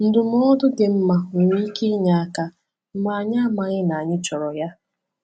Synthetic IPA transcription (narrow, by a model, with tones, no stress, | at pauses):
n̩˦dʊ˨m̩˦ɔ˦dʊ˦dɪ˨m̩˦ma˨ŋi˦i˦ke˦ɲa˨a˦ka˦ | m̩˦ma˨ɲa˦ma˨ɲɪ˦na˨a˨ɲɪ˦t͡ʃɔ˨ɾɔ˨ja˦